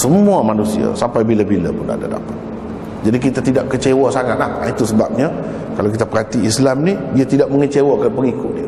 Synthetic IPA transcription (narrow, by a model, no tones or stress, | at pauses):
səmuamanusḭa̰sampajbilabila̰pʊna̰da̰da̰pat̪̚ | d͡ʒadik̬it̪at̪idaʔkət͡ʃewasaŋat̪̚laha̰it̪usəbap̚ɲa | kalawk̬it̪apərɦat̪iːslamnidiat̪idaʔ̚məŋət͡ʃewakanpəŋikʊt̪̚diə